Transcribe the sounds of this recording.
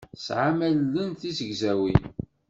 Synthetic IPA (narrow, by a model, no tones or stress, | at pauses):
sʕamælːənθisəɡzæwin